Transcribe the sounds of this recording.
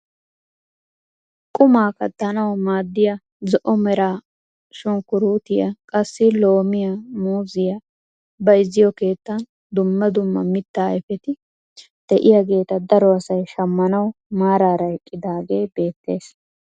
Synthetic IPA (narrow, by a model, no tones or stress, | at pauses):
kʼʊmaːkɐt̪ːɐnɐwmaːd̪ːɪjɐ | zɔʔɔmɛɾaː | ʃʊŋkʊɾuːt̪ɪjɐkʼɐsːɪlo̞ːmɪjɐmuːzɪjɐ | bɐjzːɪjɔke̞ːt̪ːɐn | d̪ʊmːɐd̪ʊmːɐmɪt̪ːaːɛfɛt̪ɪ | d̪̥ɛʔɪjɐɡe̞ːt̪ɐd̪ɐɾɔɐsɐjʃɐmːɐnɐwmaːɾaːɾɐkʼːɪd̪aːɡe̞ːbe̞ːt̪ːe̞ːs